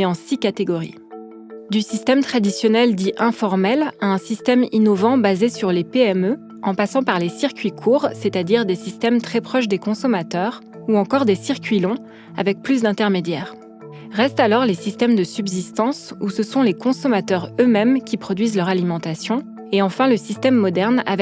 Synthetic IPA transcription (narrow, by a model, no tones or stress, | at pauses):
eɑ̃sikat̪eɡɔʁḭ | d̪ysist̪ɛmt̪χad̪isjɔnɛld̪iʔɛ̃fɔʁmɛlaɛ̃sist̪ɛminɔvɑ̃bazesyʁlepeɛmø | ɑ̃pasɑ̃paʁlesiʁkʲɥikʰuʁset̪ad̪iʁd̪esist̪ɛmt̪χɛpχɔʃd̪ekɔ̃sɔmat̪œʁ | uɑ̃kɔʁd̪esiʁkʲɥilɔ̃ | a̰vɛk̚plys̬d̪ɛ̃t̪ɛʁmed̪jɛːʁ | ʁɛst̪alɔʁlesist̪ɛmd̪əsybzist̪ɑ̃susəsɔ̃lekɔ̃sɔmat̪œʁømɛmkʲipχɔd̪ɥizlœʁalimɑ̃t̪asjɔ̃ | eɑ̃fɛ̃ləsist̪ɛmːɔd̪ɛʁna̰vɛ